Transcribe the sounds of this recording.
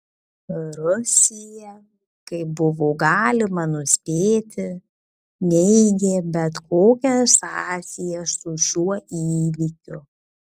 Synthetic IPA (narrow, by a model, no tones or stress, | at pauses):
ɾʊsʲɪjɛ | kɐɪbʊʋoːɡɑːlʲɪmɐnʊsʲpʲeːt̪ʲɪ | nʲɛɪɡʲeːbʲɛt̪koːkʲɛsɑːsʲɪjɛsʊʃʲuɔʔiːʋʲikʲʊ